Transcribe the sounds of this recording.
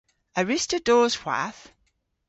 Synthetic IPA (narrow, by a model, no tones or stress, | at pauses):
əɹɪstədɔːz̥hw̥a̰θ